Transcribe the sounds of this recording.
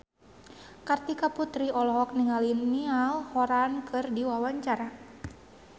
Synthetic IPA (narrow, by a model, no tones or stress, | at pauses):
kart̪ikaput̪ɾiʔɔlɔɦɔk̚niŋalinːialhɔɾankʰɨrdiwawaɲt͡ʃaɾa